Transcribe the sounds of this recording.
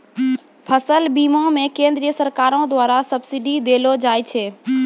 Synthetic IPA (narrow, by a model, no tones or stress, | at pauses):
pʰəsəlbiːmõmẽkẽːnd̪ɾijəsəɾkaːɾõd̪waːɾasɐbsɪɖid̪eːlod͡ʒaːet͡ʃʰeː